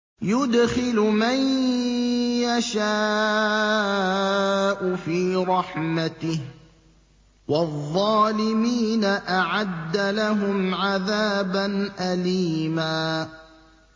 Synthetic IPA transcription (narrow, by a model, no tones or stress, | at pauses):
jʊd̪xɪlʊman | jaʃaː | ʔʊfiːɾˤɑħmat̪ɪh | wɑðˤːɑːlɪmiːnaʔaʕad̪ːalaɦʊmʕaðaːbanʔaliːmaː